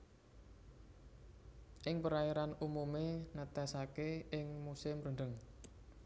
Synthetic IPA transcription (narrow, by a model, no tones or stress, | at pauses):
ʔɪŋpəɾaiɾanumumenət̪ɛsakeɪŋmusɪmɾəɳɖəŋ